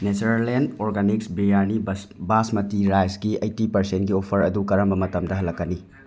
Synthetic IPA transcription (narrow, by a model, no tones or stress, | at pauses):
ned͡ʒuɾalendoɾɡaniksbiɾjanibasmɐtiɾajsɡiɐjtipɐɾsenɡiopʰɐɾɐdukɐɾɐmbɐmɐtɐmdɐɦɐlːɐkːɐni